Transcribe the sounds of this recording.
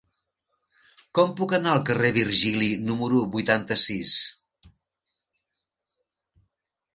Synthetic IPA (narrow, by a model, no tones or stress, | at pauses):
kɔmpukənaəlˠkəreβ̞irʒilinuməɾuβujt̪ant̪əsis